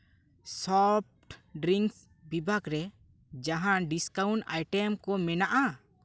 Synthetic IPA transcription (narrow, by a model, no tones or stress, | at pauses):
sɔp̚ʈɖɾiŋks | bibʱakɾɛ | d͡ʒaɦãɖiskawɳʈajʈɛmkɔmɛnaʔa